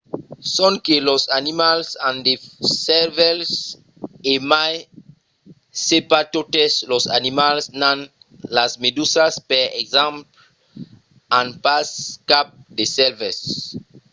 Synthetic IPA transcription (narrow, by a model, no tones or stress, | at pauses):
sɔ̃nkelɔsanimalsãndesɛlvɛls | emaj | sepatoteslɔsa̰nimalsnãn | lasmedusaspɛɛ̰kzãmpl | ãnpaskap̚desɛlvɛs